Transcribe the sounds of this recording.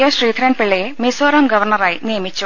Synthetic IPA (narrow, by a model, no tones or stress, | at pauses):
jɐɕriːd̪ʱɾɐːnpiɭːɐjemisoːɾɐmɡɐʋɐrɳɐraːjinijɐmit͡ɕːu